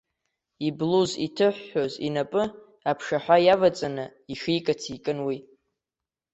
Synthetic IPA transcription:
ibluzḭtʰɨħʷːozḭnapʼɨ | apʰʂaħʷajavat͡sʼanɨiʂijkʼatʰikʼɨnwi

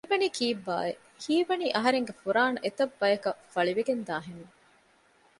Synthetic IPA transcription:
iʋɐniːkʰiːbːa̰ːe | hiːʋɐniːʔɐɦɐɾeŋɡefuɾaːnɐʔet̪ɐbːɐjɐkɐfɐɭiʋeɡend̪aːɦenu

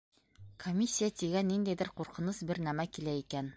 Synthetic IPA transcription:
kʰomʲːisʲːijat̪iɡænːind̪æjðɘɾquɾqɤ̆nɤsbɘɾnæmækilæikæn

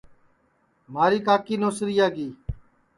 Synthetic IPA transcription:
maːɾiːkaːkiːnoːsɾijaːɡiː

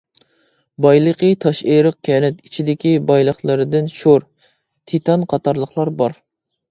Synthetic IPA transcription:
bɑjlˠəqʰət̪ʰɑʃeɾəq̚kʲʰɛnɛt̪it͡ʃʰid̪ɪkʲibɑjlˠəχlˠɨɾɨd̪ɪnʃoɾ | t̪ʰit̪ʰɑnqʰɑt̪ʰɑɾlˠəχlˠɑɾbɑɾ

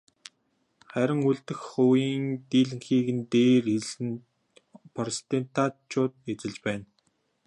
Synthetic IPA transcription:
χæɾʲɪ̆ŋuɮt̪ɘ̆xχʊːjiːnt̪iːɮɘ̆ŋxiːɣɘ̆nt̪eːriɮɘ̆n | pʰɔrst̪ent̪at͡ɕʰʊːt̪̚et͡sɘ̆ɮt͡ɕpæːn

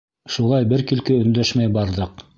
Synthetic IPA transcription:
ʃulˠɑjbɘɾkilkɘɵ̆nd̪æʃmæjbɑɾðɤq

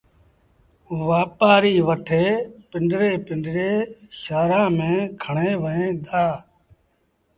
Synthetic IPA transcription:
ʋaːpaːɾiːʋəʈʰeːpɪɳɖɾeːpɪɳɖɾeːʃaːɾãːmẽːkʰəɳẽːʋəɦẽːd̪aː

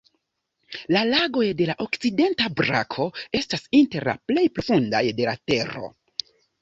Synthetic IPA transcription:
lalaɡo̞jde̞laʔo̞kt͡side̞ntabɾa̰kʰo̞e̞stasinte̞ɾla̰ple̞jpɾo̞funda̰jde̞la̰te̞ɾo̞̰

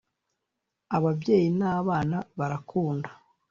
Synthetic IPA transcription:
aβabɟje̞ːjinaːβaːnaβaɾakʰuːndḁ

